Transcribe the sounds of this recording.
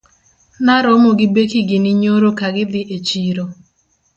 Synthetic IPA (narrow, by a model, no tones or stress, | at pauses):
naɾɔmoɡɪbekiɡɪnɪɲoɾokaɡɪd̪ɪʔet͡ʃiɾo